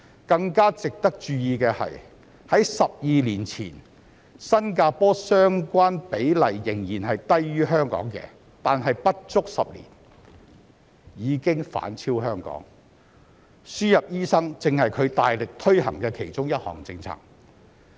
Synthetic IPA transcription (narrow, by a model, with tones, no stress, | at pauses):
kɐ˧ŋkaː˥t͡sɪ˨k̚t̪ɐ˥k̚t͡ʃyː˧jiː˨˧kɛː˧hɐ̰˨j | hɐ˨˥jsɐ˨p̚jiː˨liː˨˩nt͡sʰḭː˨˩n | sɐ˥nkaː˧pɔː˥sœː˥ŋkʷaː˥npe˨˥jlɐ˨˩jːɪ˨˩ŋjiː˨˩nɦɐ˨jt̪ɐ˥jːyː˥ɦœː˥ŋkɔ̰ː˨˥ŋkɛ̰ː˧ | t̪aː˨nɦɐ˨jpɐ˥t̚t͡sʊ˥k̚sɐ̰˨p̚lḭː˨˩n | jiː˨˧kɪ˥ŋfa̰ː˨˥nt͡sʰiː˥wɦœː˥ŋkɔ̰ː˨˥ŋ | syː˥jɐ˨p̚jiː˥sɐ˥ŋt͡sɪ˨ŋhɐ˨jkʰɵ˨˧ɥt̪aː˨jlɪ˨k̚t̪ʰɵ˥ɥhɐ̰˨˩ŋkɛː˧kʰe˨˩jt͡ʃʊ˥ŋjɐ˥t̚hɔ̰ː˨˩ŋt͡sɪ˧ŋt͡sʰa̰ː˨˩ŋ